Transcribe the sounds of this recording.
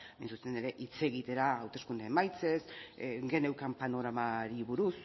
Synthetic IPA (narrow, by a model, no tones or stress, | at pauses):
mḛjnsust̪ene̞ɾe̞ʔit͡se̞ɣit̪e̞ɾaːwt̪e̞skund̪eemajt͡se̞sɡe̞ne̞wkampano̞ɾamaɾiβuɾus